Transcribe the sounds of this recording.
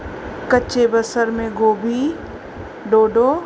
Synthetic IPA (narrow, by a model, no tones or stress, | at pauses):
kəːt͡ʃebəsəɾmẽɡoːbʱi | ɖoːɖoː